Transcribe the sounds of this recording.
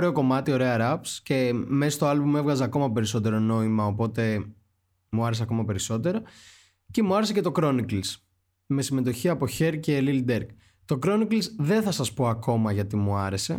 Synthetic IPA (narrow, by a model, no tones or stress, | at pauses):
ɾe̞o̞ko̞mɐt̪io̞ɾe̞ɐɾɐpsce̞mesost̪oɐlbume̞vɣɐzeɐko̞mɐpe̞ɾiso̞t̪e̞ɾo̞no̞imɐopo̞t̪e̞ | muɐɾeseɐko̞mɐpe̞ɾiso̞t̪e̞ɾɐ | ce̞muɐɾesece̞t̪o̞kɾo̞nikls | me̞sime̞t̪o̞çiɐpo̞çe̞ɾcelild̪eɾk | t̪o̞kɾo̞niklsðe̞nθɐsɐspo̞ɐko̞mɐʝɐt̪imuɐɾe̞se̞̰